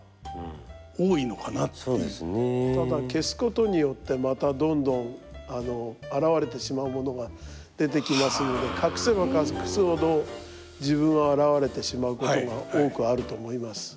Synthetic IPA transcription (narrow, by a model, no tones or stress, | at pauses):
oːino̞kanatoeːesnet̪ad̪ake̞sɨ̥ko̞t̪o̞ɲ̟ijo̞t̪ːe̞mat̪ad̪õ̞nd̪õ̞ɴano̞aɾaβaɾe̞t̪e̞ɕimaɯ̟mo̞no̞ɡa | d̪̥e̞t̪̬e̞kʲimasɨno̞d̪e̞kʰakɯ̟̥seβakakɯ̥sɨho̞d̪o̞ | d͡ʑiβɯ̟̃ɰ̃aaɾaβaɾe̞t̪e̞ɕimaɯ̟ko̞oɡao̞ːkɯ̟aɾɯ̟t̪o̞mo̞imasɨ̥